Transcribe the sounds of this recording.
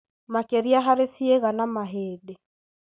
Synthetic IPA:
makeɾiaɦaɾesieɣanamaɦeːde

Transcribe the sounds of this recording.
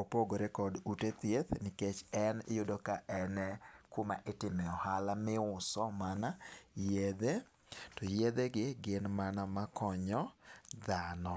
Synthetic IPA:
opoɡoɾekɔdutet̪jet̪nɪket͡ʃɛnɪ̰jʊdokaʔɛnɛkoma̰ʔɪtɪmɛɔhalamɪʊsɔmanajed̪e | tɔjed̪eɡɪɡɪnmanamakɔɲɔd̪anɔ

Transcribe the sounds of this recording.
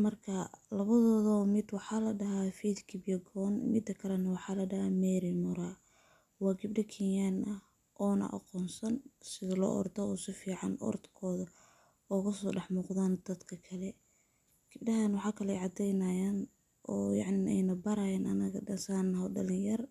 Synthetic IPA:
mɐrkʰɐlɐβɐðɔːðɔmɪd̪wɑħɑːlɐɖɐɦafid̪kʰɪbjɐɡɔːnmɪ̰d̪ːɐkʰɐlɛnɐwɑħɑːlɐɖɐhaːmɛɾinʊɾaː | wɑːɡɪbɖɐkʰinjaːnʔɐh | ʔɔːnɐ̰ʔɑ̰qɔːnsɐnsɪðɐlɔ̰ːʔɔ̰rd̪ɔɔːsɪfiːʕɑ̰nɔ̰rd̪kʰɔːðɐ | ɔːɣɐsɔːɖɑħmuːqðaːnd̪̥ɐd̪kʰɐkʰɐlɛ | ɡ̥ɪb̚ɖɐɦanwɑħɑːkʰɐlɛʕɑd̪ɛjnɐjaːn | ʔɔːjɑ̰ʕnɪnɛ̰jnɐbɐɾajaːnɐ̰nɐɣɐ̰ɖɐsaːnːɐɦɔɖɐ̰lɪjɐr

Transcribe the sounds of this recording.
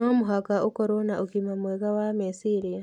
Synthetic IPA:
omuɦakaʔukoɾonauɡimamweɡawamesiɾija

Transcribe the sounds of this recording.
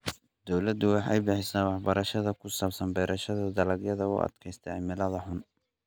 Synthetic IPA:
d̪ɔwlɐd̪ʊwɑħɑ̰jbɪħɪsaːwɑħbɐɾɐʃɐðɐkʰʊsaːbsɐnbɛːɾɐʃɐðɐd̪ɐlɐɡjɐðɐʊ̰ʔɐ̰d̪̥kʰɛjst̪ʰɛʕɪmɪlɐðɐħʊn

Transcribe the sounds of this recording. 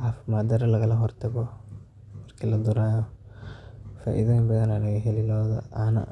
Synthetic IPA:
ʕaːfɪmaːd̪ɐɾɐlɐɣɐlɐɦɔrt̪ʰɐɣɔ | mɐrkʰilɐd̪ʊɾaːjɔ | fa̰ːʔɪ̰ðɐbɐðɐnɐɽɐɣɐɦɛlɪlɔːðɐ̰anɐ̰

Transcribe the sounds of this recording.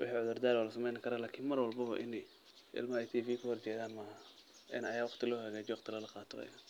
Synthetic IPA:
wɪ̰ħiːʕʊðʊrd̪aːlwalɐsɐmɛjnkʰɐɾaːlaːkʰiːnmɐrwɑlbɐβɐ̰ʔɪnɛj | ɪ̰lmɐɛjt̪ʰiːfiːkʰɐhɔrt͡ʃɛːðaːnmɐh | ʔɪ̰nɐjaːwɑχt̪ʰɪlɔːɦɐɣaːd͡ʒɛwɑqt̪ʰɪlɐlɐqɑːt̪ʰɔɐ̰j̰a

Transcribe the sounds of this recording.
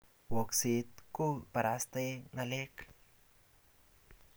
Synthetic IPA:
woksit̪̚kupaɾast̪enalek

